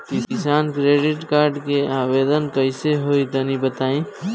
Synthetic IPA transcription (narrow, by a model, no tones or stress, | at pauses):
kikisankɾeɖiʈkaɾɖkeabed̪ənkəɪseɦojt̪ənibət̪aĩ